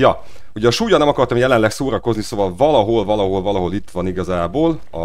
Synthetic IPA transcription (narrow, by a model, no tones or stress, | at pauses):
jɒ | uɟɛːʃuːjɒnɛmɒkɒrt̪ɒmjɛlɛnlɛksoːɾɒko̞zniso̞vɒlvɒlɒɦo̞lvɒlɒɦo̞lvɒlɒɦo̞lit̪ːʋɒniɡɒzaːboːl | ɒ̰